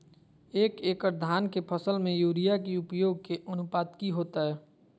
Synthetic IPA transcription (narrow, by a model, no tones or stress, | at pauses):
eːkeːkəɾd̪ʱaːnkepʰəsəlmẽjuːɾijakiʊpjoːɡ̚keʔənʊpaːd̪kiɦoːt̪aɦɛː